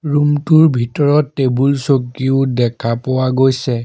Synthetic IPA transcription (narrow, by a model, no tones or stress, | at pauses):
ɹumtuɹbʱitɔɹɔtːebulsokːiʊdɛkʰapowaɡojsɛ